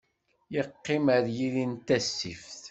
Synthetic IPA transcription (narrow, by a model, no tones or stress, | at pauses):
jəqːɪməɾjiðint̪æsːḭfθ